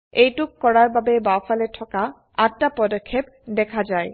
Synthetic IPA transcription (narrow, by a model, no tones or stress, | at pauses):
ejʈukːɔɾaɾbabebawfaleʈʰɔka | aːapɔd̪okʰːep | d̪ɛkʰad͡ʑae